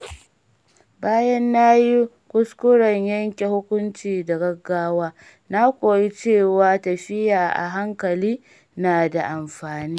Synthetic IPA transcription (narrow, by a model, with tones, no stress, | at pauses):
baː˦jɐ˦nːa˦ji˦ | kʷʊ˦skʷʊ˦ɽɐ˨ɲjɐ˦ŋkʲe˨hʊ˦kʷʊ˦nt͡ʃiː˨da˨ɡɐ˦ɡːaː˦waː˦ | na˦kʷoː˨ji˦t͡ʃeː˦˨waː˦tɐ˨ɸɪ˦jaː˨ʔa̰˨ɦa˦ŋkɐ˨liː˦ | naː˨da˨ʔa˨mɸaː˨niː˦